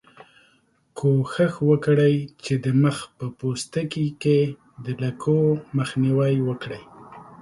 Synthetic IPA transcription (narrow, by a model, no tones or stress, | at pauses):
kʰoxəxwəkɽəjt͡ʃed̪əməxpəpost̪əkike | d̪əlakʰoməxniwəjwəkɽəj